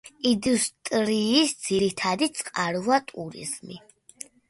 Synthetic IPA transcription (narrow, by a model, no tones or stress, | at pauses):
ind̪ust̪ʼɾiːsd̪z̥iɾit̪ʰad̪it̪sʼqʼaɾvat̪ʼuɾḭzmḭ